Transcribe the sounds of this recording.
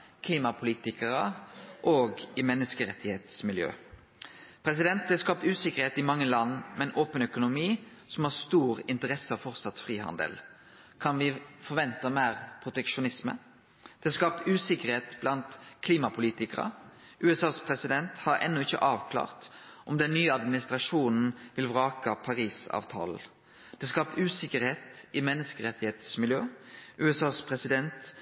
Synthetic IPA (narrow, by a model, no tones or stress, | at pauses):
kʰliːmɑpʰʊliːt̪ɪkəɾəʔoːɡɪmɛnːəskəɾɛt̪ʰːɪheːt̪smɪljø̰ː | pʰɾɛs̬ɪd̪ɛnt̪d̪ɛskɑːp̚t̪ʉːsɪkːəʁɾheːt̪ɪmɑŋːəlɑnːmɛnʔoːpənœkʊnʊmiː | sɔmhɑʁst̪uːɾɪnt̪əɾɛsəɔfɔɾt̪sɑt̪fʁiːhɑ̰nd̪ə̰l | kʰɑnʋɪfɔɾʋɛnt̪əmæːʁpʰʁʊt̪ɛkʃʊnɪsmə̰ | d̪̥ɛskɑːp̚t̪ʉːsɪkəʁheːt̪b̥lɑnt̪kʰliːmɑpʰʊliːt̪ɪkəʁə̰ | ʔʉːɛsɑːspʰʁɛsɪd̪ɛnt̪hɑɾɛ̰nːʊɪçə̰ʔɑːʋkʰlɑ̰ːʁt̪ʔɔmd̪ɛnːyːəɑd̪mɪnɪst̪ʁɑʂuːnn̩ʋɪlʋʁɑːkəpʰɑɾiːsɑ̰ːʋt̪ʰɑ̰ːl̩ | d̪̥ɛːskɑːp̚t̪ʉːsɪkəɾheːt̪ɪmɛnːəskəɾɛt̪ːɪheːt̪smɪljøːʔʉːɛsɑːspʰɾɛsɪd̪ɛnt̪